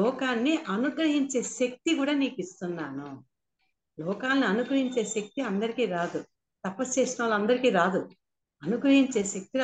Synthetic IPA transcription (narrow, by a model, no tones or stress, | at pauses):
ɔːkaːnːiʔɐnuɡɾɐɦiɲt͡ʃe̞ːʃɐk̚t̪ikuːɽaːniːkist̪unːaːnu | lɔːkaːlniɐnuɡɾɐɦiɲt͡ʃe̞ːʃɐk̚t̪iɐnd̪ɐɾikiːɾaːd̪u | t̪ɐpːɐst͡ʃeːsinɐʋlɐnd̪ɐɾikiːɾaːd̪u | ɐnuɡɾɐɦiɲt͡ʃe̞ːʃɐk̚t̪iɾ